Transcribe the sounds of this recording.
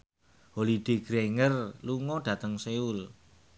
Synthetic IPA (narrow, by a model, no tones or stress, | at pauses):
holiɖ̪̥e̤ɡ̥ɾeŋərluŋɔɖ̥ä̤t̪əŋseul